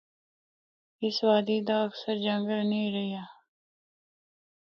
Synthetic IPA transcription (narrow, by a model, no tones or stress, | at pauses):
ɪsʋaːd̪iːd̪aɐksəɾd͡ʒə̃ŋɡəlnəĩːɾɐijaː